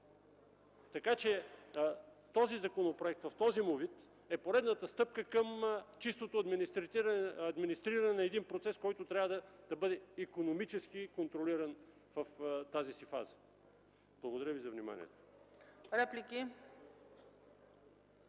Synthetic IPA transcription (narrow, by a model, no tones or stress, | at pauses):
t̪ɐkat͡ʃɛ | t̪ɔzizɐkonopɾoɛk̚t̪vɐft̪ɔzimovit̪ | ɛpoɾɛd̪nət̪əst̪ɤp̚kəkəmt͡ʃist̪ot̪oɐd̪m | ɐd̪minist̪ɾiɾənɛnɐɛd̪inpɾot̪sɛskɔjt̪ot̪ɾʲavəd̪əd̪̥ɐbɤd̪ɛikonomit͡ʃɛsk̟ikont̪ɾoliɾɐn | vɐft̪azisifa̰zə̥ | b̥lˠɐɡod̪ɐɾəvizɐvnima̰nʲḭɛ̰t̪o̥ɾɛpliki